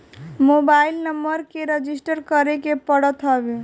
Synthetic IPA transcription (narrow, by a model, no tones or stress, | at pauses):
mobailnəmbəɾkeɾəd͡ʒisʈəɾkəɾekepəɽət̪ɦɔbe